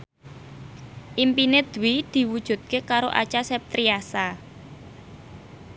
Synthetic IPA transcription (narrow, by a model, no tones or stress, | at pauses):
ʔimpined̪̥wid̪̥i̤wud̥ʒ̥ṳt̪̚kekaɾoʔa̰t͡ʃasɛp̚t̪ɾiasa